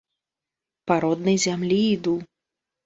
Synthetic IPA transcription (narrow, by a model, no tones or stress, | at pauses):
paɾɔd̪nɐjzʲamlʲiːd̪u